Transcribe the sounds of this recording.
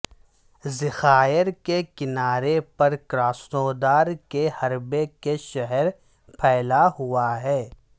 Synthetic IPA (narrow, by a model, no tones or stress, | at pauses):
zɪxaːəɾkekɪnaːɾepɐɾkɾaːsnoːd̪aːɾkehɐɾbekeʃɐɦəɾ | pʰɛːlaɦʊaɦɛː